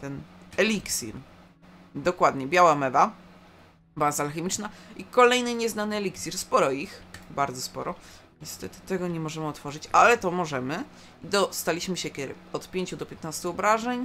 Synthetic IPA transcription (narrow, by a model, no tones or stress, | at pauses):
t̪ɛnɛlʲiksʲḭɾ | d̪ɔkwad̪ɲɛbʲjawamɛva | bazaalxɛmʲit͡ʂnaikɔlɛjnɘɲɛznanɘɛlʲiksʲiɾspɔɾɔixbaɾd̪zɔspɔ̰ɾɔ | ɲɛst̪ɛt̪ɘ̥t̪ɛɡɔɲɛmɔʐɛmɘɔt̪fɔʐɘt͡ɕalɛt̪ɔmɔʐɛmɘ | id̪ɔst̪alʲiɕmɘɕɛkʲɛ̰ | ɔt̪pʲjeɲt͡ɕud̪ɔpʲjɛt̪nast̪uɔbɾaʐɛɲ